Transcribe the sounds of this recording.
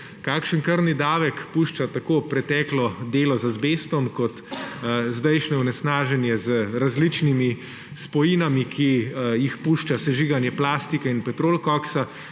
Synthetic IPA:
kaːkʃənkəɾnid̪aːʋɛkpuːʃt͡ʃat̪akopɾɛt̪ɛːklɔd̪eːlɔzazbeːst̪ɔmkɔt̪ | zd̪ɛjʃnɛunɛsnaːʒɛnjɛzəɾazlit͡ʃnimi | spɔjinamikʰijixpuʃt͡ʃasɛʒiːɡanjɛplaːst̪ikɛinpɛt̪ɾoːlkɔksa

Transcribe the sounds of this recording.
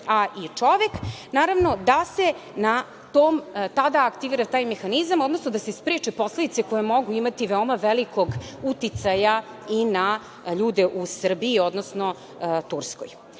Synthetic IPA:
aʔit͡ʂo̞ʋeknaːɾaʋno̞d̪ase̞na | t̪oːmt̪ad̪aːkt̪iʋiːɾat̪aːjmexanizamo̞d̪no̞snod̪asespɾet͡ʂepo̞sled̪it̪seko̞jemo̞ɡuimat̪iʋeo̞maʋelikʰoɡut̪it̪saja | ina | ʎuːd̪eʔusr̩biːo̞d̪nosno̞ | t̪uɾsko̰j

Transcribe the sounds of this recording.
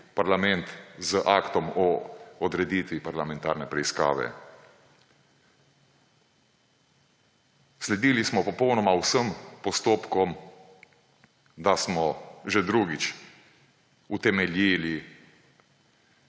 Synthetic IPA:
paɾlamɛnt̪zəʔakt̪ɔmɔːd̪ɾɛd̪iːt̪ʋipaɾlamɛnt̪a̰ːɾnɛpɾɛiska̰ːʋɛ̰ | slɛd̪iːlismɔpɔpɔwnɔmawsəmpɔst̪oːpkɔm | d̪asmɔʒɛd̪ɾuɡit͡ʃ | ut̪ɛmɛlʲjiːli

